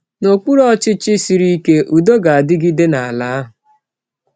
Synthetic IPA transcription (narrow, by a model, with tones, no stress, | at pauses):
no˨k͡pu˦ɾɔ˦t͡ʃɪ˦t͡ʃɪ˦si˨ɾi˦ke˦ʔu˨do˦ɡa˨a˨dɪ˦ɡi˦de˦na˨a˨laː˨˦a˦ɦʊ˨